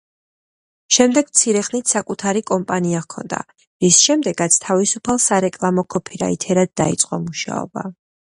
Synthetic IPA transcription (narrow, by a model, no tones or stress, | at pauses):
ʃɛmd̪ɛɡ̥mt̪sʰiɾɛχnit̪ʰsakʼut̪ʰaɾikʼɔmpʼaniakʰɔ̰nd̪a̰ | ɾisʃɛmd̪ɛɡ̥at̪sʰt̪ʰavisupʰalˠsaɾɛkʼlˠamɔkʰɔpʰiɾa̰ḭt̪ʰɛɾad̪̚dːa̰it̪sʼqʼɔmuʃa̰ɔ̰ba̰